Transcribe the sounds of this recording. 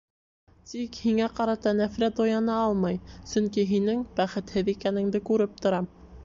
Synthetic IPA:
t̪ikhiŋæqɑɾɑt̪ɑnæfɾæojɑnɑɑlˠmɑjsɵŋkiɦinɘŋbæχɘ̆t̪hɘðikænɘ̆ŋd̪ɘkʉɾɘp̚t̪ŏɾɑ

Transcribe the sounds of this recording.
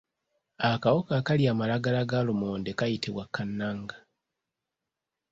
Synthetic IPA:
akawokakaliaːmalaɡalaɡalumoːndekajitiβwakʰːanːaːŋɡa

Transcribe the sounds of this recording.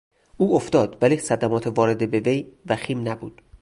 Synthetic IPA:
ʔuːoft̪ɒːd̪væliːsæd̪æmɒːt̪ʰevɒːɾe̞d̪ebeve̞jvæxiːmnæbṵːd̪̥

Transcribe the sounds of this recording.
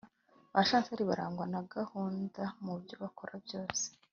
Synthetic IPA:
βaʃaːnt͡seaɾiβaɾaːŋɡwanaɡahuːndamubjo̞βakʰoɾʔabjo̞ːse̥

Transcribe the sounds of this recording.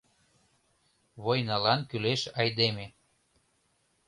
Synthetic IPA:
βojnɑlɑnkyleʃɑjd̪eme

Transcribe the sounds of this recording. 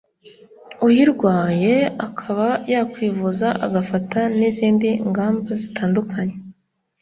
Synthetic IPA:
ujiɾɡwaːje̞akʰaβajaːkwiːvuzaʔaɡafataniziːndiŋɡaːmbazitaːndukʰaɲe

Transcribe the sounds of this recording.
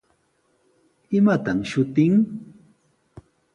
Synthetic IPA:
ɪmat̪amʃʊt̪ɪŋ

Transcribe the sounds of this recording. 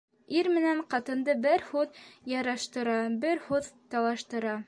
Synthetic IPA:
iɾmɘ̆næɴqɑt̪ɤ̆nd̪ɤbɘɾhuðjɑɾɑʃt̪ɤ̆ɾɑbɘɾhuðt̪ɑlˠɑʃt̪ɤ̆ɾɑ

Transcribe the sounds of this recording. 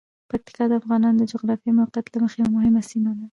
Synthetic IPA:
pak̚t̪i̥kɑd̪əafɣɑnɑnod̪əd͡ʒʊɣɾɑfimawqjat̪laməxejamʊhɪmasimad̪a

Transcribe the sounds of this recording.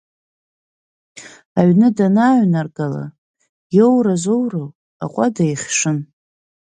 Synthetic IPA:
aɥnɨdanaːɥnarɡʼala̰ | jowrazowrow | a̰qʷʼadajχʲʂɨn

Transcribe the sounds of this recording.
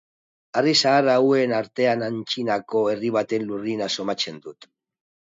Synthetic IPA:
arisaːraue̞naɾt̪e̞anant͡ʃinako̞e̞riβ̞at̪e̞nlurinaso̞mat͡se̞nd̪ut̪

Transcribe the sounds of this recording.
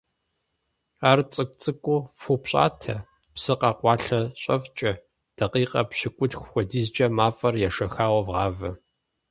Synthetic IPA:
aːrt͡sʼɨkʷʼt͡sʼɨkʷʼʊfupɕʼa̰ːtʰɐ | psɨqɑːqʷɑːɬɐɕʼɐft͡ʃʼɐ | d̥ɐqiːqʼɐ̰pɕɪkʷʼʊtxʷxʷɔdiːzd͡ʒʼɐmaːfʼɐrjɛʂɐxaːwɐvʁɑːvɐ

